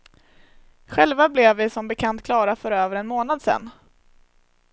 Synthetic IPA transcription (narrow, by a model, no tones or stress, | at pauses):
ɧɛlvablɛvːɪsɔmbɛkʰant̪̚kʰlɑːɾafœɾøːvəɾɛnmoːnad̪sɛ̰nː